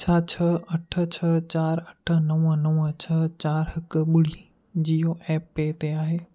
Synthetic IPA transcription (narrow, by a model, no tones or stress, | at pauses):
t͡ɕʰaːt͡ɕʰɐɐʈʰə̆t͡ɕʰɐt͡ɕaːɾɐʈʰə̆nɐʋnɐʋt͡ɕʰɐt͡ɕaːɾɦɪkɓʊɽ̤i | d͡ʑiɦoʔɛːpet̪eaːɦeː